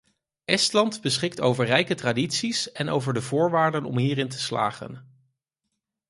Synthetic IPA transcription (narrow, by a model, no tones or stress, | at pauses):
ʔɛstlɑndbəsχɪk̚towvəɹrɛjkətraːditsisɛno̰wvəɹdəvʊːɹʋaːɹdənɔ̰mɦiːɾɪntə̥sla̰ːχə̰n